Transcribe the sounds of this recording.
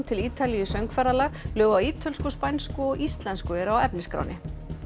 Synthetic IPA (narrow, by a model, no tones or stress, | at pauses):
t̪ʰɪliːt̪alijʏsœŋkfɛɾalalœːɣawiːt̪ʰœlskɔspajnskʏɔɣist̪lɛnskʏɛɾawɛpnɪskɾa̰wnɪ